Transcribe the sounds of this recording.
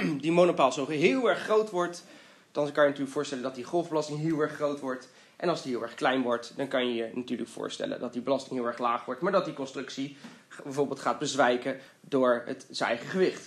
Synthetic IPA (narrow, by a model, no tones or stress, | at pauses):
dimonopaːlˠzoɦɪːlˠɛɹχːrowtʋɔɹt | d̥ɑnkɑjənatyːɹəkfʊːɹstɛləndɑt̚diχɔlˠvbəlɑstɪŋɦɪːlˠɛɹχːrowtʋɔɹt | ʔɛnɑlˠsdiɦɪːlˠɛɹχklɛjnʋɔɹtdɑnkɑnjəjənatyːɹləkfʊ̰ːɹstɛ̰lə̰ndɑt̚dibəlɑstɪŋɦɪːlˠɛɹχlaːχʋɔɹtmaːɹdɑt̚dikɔnstrɵksibɛvʊːɹbeːlˠtχaːd̚bəzʋɛjkə | dʊːɹɦə̰tsənɛ̰jχəχəʋɪχt